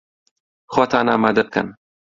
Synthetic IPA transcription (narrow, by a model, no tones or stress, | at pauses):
xot̪ʰaːnaːmaːd̪ɐb̚kʰɐ̰n